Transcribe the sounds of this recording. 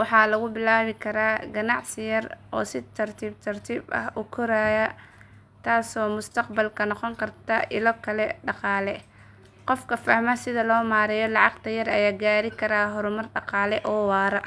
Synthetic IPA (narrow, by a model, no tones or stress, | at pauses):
wɑħɑːlɐɣʊbɪlaːβɪkʰɐɾaːɡɐnɑʕsɪjɐrʔɔ̰ːsɪt̪ʰɐrt̪ʰiːb̚t̪ʰɐrt̪ʰiːbɐ̰hʔʊkʰʊɾaːjɐ | t̪ʰaːsɔːmʊst̪ʰɑqbɐlkʰɐnɔqɔŋkʰɐrt̪ʰɐʔɪlɔkʰɐlɛɖɑqɑːlɛ | qɔfkʰɐfɐhmɐsɪðɐlɔːmaːɾɛjɔlɑʕɑqt̪ʰɐjɐrɐjaːɡaːɾɪkʰɐɾaːɦɔɾʊmɐrɖɑqɑːlɛʔɔːwɑːɾɐ